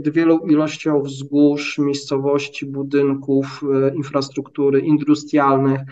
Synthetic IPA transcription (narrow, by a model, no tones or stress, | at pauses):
d̪vʲjɛlɔ̃wilɔɕt͡ɕɔ̃w̃vzɡuʂmʲjejst̪sɔvɔɕt͡ɕibud̪ɘŋkufinfɾast̪ɾukt̪uɾɘʔind̪ust̪ɾʲjalnɘx